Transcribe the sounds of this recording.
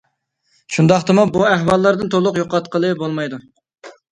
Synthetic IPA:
ʃund̪ɑχt̪ɨmubuæhwɑlˠːɑɾd̪ɨnt̪ʰolˠʊqjoqɑt̪qəlˠɨbolˠmɑjd̪u

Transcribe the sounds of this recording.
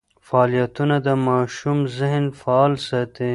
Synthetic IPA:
faːlijat̪unad̪əmɑːʃumzɪɦnfaːlsat̪e

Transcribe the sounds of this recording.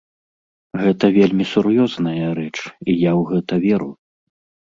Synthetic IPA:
ɣɛt̪ɐvʲelʲmʲisuɾjɔznɐjɐɾɛt͡ʂijawɣɛt̪ɐvʲɛɾu

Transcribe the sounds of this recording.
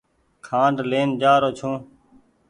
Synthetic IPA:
kʰãːɖleːnd͡ʒaːɾoːt͡ʃʰõː

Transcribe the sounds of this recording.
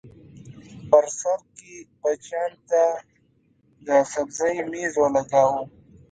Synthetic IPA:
pɐɾsɐɾkibɐt͡ʃaːnt̪a | d̪əsɐbzɐimiːzolɐɡaːwu

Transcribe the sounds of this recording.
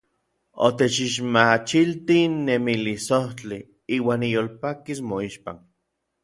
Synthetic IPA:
o̰t̪et͡ʃiʃmat͡ʃilt̪inːemilisoht͡ɬi | iːwaːnijolpakismoiʃpa̰n

